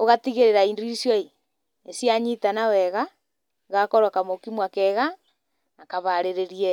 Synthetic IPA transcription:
oɣatiɣeɾeɾaindisjɔi | esijaɲitanawɛɣa | ɣakoɾwakamokimwakɛɣa | nakaβaɾeɾeɾiɛ

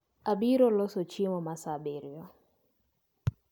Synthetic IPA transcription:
abiɾɔlɔsɔt͡ʃɪmɔmasabeɾjɔ

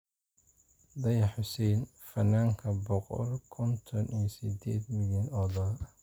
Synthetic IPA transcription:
d̪ɑjɑħʊsɛjn | fɐnːaːŋkʰɐbɔqɔ̰lkʰɔnt̪ʰɔnijɔsɪd̪ɛːd̪mɪljɐnɔːðɐ

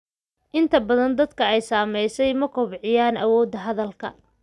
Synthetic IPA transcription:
ʔɪnt̪ʰɐbɐðɐnd̪ɐd̪kʰɐɛjsaːmɛjsɛjmɐkʰɔbʕɪjaːnʔɐ̰wɔːd̪ːɐɦɐðɐlkʰɐ̰

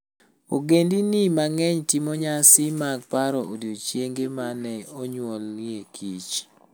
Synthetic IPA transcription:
o̰ɡendinimaŋɛɲtimɔɲasɪmaɡ̚paɾɔʔodot͡ʃjeŋɡemanɛoɲwɔljekʰit͡ʃ

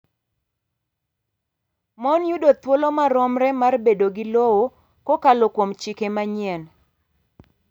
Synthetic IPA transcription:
mɔnjudot̪wolomaɾɔmɾɛmarbedoɡɪlowo | kokalokwomt͡ʃɪkemaɲiɛn

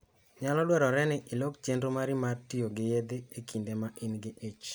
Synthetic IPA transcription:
ɲalɔdwɛɾɔɾɛnɪʔɪlokt͡ʃendɾomaɾɪmartijoɡɪjed̪eekʰindemaʔinɡɪʔet͡ʃ

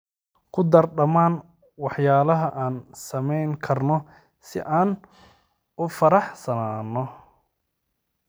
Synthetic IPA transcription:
kʰʊd̪ɐrɖɐmaːn | wɑħjaːlɐɦɐʔaːnsɐmɛjŋkʰɐrnɔ | sɪ̰ʔaːn | ʊfɐɾɑħsɐnaːnːɔ

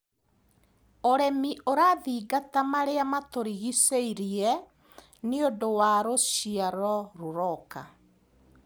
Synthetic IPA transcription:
oɾɛmiʔoɾaðiːɡatamaɾeamatoɾiɣiseiɾiɛ | niodowaɾoʃiaɾɔɾoɾɔka

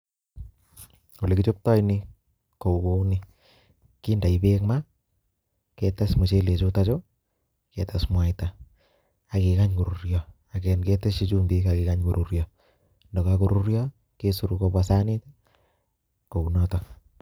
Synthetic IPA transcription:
olekit͡ʃop̚tɔjni | koukoni | kindaibekma | ketasmut͡ʃelet͡ʃutat͡ʃo | kɛtasmwajta | akikaɲkuɾuɾjɔ | akɛnkɛteʃit͡ʃumdikakikaɲkuɾʔuɾjɔ | ndɔkakuɾuɾjɔ | kesuɾukopwasanit | kounɔtɔ

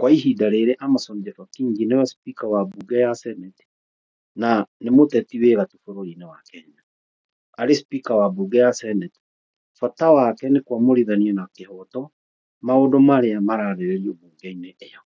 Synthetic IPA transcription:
kwaiɦidaɾeɾeʔamasɔnid͡ʒɛfakiŋɡinewaspikawabuɡɛjasɛnɛte̥ | nanemotɛtiweɣatufoɾoɾinewakɛɲa | aɾespikawabuɡɛjasɛnɛte̥ | fatawakɛnekwamoɾiðaniɛnakehɔtɔ | maodomaɾeamaɾaɾeɾeɾiomuːŋɡɛineʔːjɔ

